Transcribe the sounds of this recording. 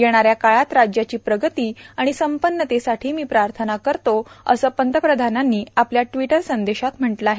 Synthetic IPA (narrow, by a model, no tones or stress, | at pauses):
jeɽ̃aɾjakaɭat̪ɾad͡ʑjat͡ɕiːpɾəɡət̪iːaɽ̃isəmpənːət̪esaʈʰiːmiːpɾaɾt̪ʰənakəɾt̪oə̰səːpənt̪əpɾəd̪ʱananːiːapljaʈʋiʈəɾsənd̪eɕat̪m̤əɳʈləaɦe